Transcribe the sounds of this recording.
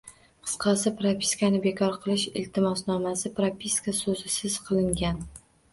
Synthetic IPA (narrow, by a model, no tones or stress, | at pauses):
qʰɨ̥sqʰɑsɪpɾapʲi̥skanɪbekʰɒɾqʰɨlˠɪʃɪ̰lt̪ʰɪmɒsnɒmasɪpɾapʰʲiskasɵzɪsɪz̥qʰɨlˠɪŋɡʲan